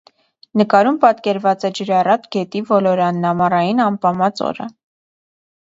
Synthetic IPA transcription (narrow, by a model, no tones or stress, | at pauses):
nəkɑɾumpɑt̪kɛɾvɑt͡sɛd͡ʒəɾɑrɑt̪ɡɛt̪ivɔlɔɾɑnːɑmɑrɑjinɑmpɑmɑt͡sɔ̰ɾə̰